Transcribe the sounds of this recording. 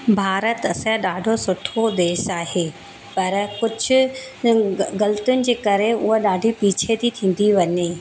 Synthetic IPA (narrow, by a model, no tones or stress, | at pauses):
bʱaːɾət̪ɐsɗaːɖʱosʊʈʰod̪eːʃaːɦeː | pɐɾkʊd͡ʑʱʊ̆ | ɡɐlt̪jʊnɪ̆d͡ʑeːkɐɾeʊɦoɗaːɖʱipiːt͡ɕʰet̪ʰit̪ʰĩːn̆d̪iʋɐɲeː